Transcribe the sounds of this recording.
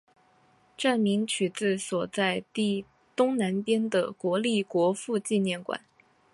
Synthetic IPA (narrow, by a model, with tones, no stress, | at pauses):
ʈ͡ʂa˥˩nmi˧˥ŋt͡ɕʰy˨˩t͡sɹ̩˥˩swɔ˨˩t͡sa˥˧ɪt̪i˥˩ | t̪ʊ˥ŋna˧˥npjɛ˥nd̪ə̰˨kwɔ˧˥li˥˩kwɔ˧˥fu˥˧t͡ɕi˥˧njɛ˥˩nkwa̰˨˩˦n